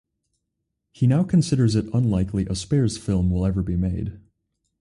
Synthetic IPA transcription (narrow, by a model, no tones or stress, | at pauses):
hinaʊkʰɨ̃n̩sɪɾə˞zɨɾə̃nlaɪkʰliʔəspɛɹz̥fɪlˠmwɪlˠɛvə˞bimeɪd̥